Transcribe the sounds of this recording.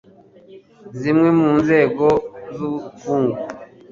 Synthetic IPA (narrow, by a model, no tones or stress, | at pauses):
zimwɛmunzɛɡɔzufuŋɡu